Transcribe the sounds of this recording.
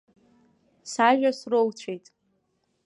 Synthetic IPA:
saʒᶣasrowt͡ɕʷʰejtʼ

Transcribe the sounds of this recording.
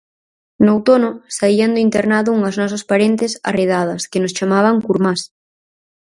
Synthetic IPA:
nowt̪onʊsaiɐnd̪ʊint̪eɾnaðʊuŋɐznɔs̬ɐspaɾent̪ɪsa̰reð̞að̞ɐskɪnʊst͡ʃamaβ̞ɐŋkuɾmas

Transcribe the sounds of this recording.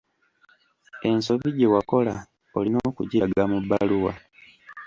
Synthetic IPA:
e̞nso̞βiɟe̞wako̞la | olinoːkuɟeɡamubːaluwa̰

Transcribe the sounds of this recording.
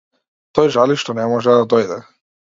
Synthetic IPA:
t̪ɔjʒaliʃt̪ɔnɛmɔʒɛd̪ad̪ɔjd̪ɛ

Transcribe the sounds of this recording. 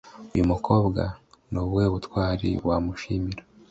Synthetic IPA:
ujumuko̞ːbɡa̰nuβwe̞ːβutwaːɾḭwamuʃiːmiɾḁ

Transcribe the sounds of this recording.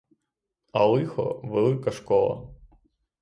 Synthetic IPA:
ɐlˠɪxɔ̰ʋɛlˠɨkɐʃkɔlˠɐ̰

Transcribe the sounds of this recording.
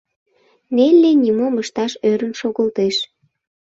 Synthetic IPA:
nelʲːenʲimoməʃt̪ɑʃøɾənʃoɣəlt̪eʃ

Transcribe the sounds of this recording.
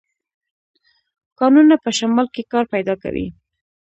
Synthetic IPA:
kɑnunapəʃamɑlkekɑɾpajd̪ɑka̰wḭ

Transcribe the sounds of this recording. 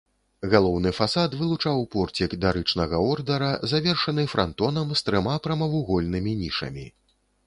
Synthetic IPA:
ɣalˠɔwnɨfasat̪vɨlˠut͡ʂawpɔrt͡sʲikd̪ɐɾɨt͡ʂnɐɣɐɔrd̪ɐɾɐzavʲɛrʂɐnɨfɾant̪ɔn̪ɐmst̪ɾɨmapɾɐmɐvuɣɔlʲnɨmʲinʲiʂɐ̰mʲi

